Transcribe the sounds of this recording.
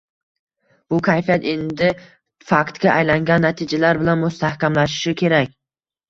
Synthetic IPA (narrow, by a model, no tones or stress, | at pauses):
b̥ʊkʲʰajfijat̪e̞nd̪ɪ | fakt̪ɡʲaʔajlaŋɡʲanːat̪ʰɪd͡ʒalaɾbɪlanmʊst̪ʰahkʲamlaʃɪ̥ʃɪkʲʰe̞ɾakʲ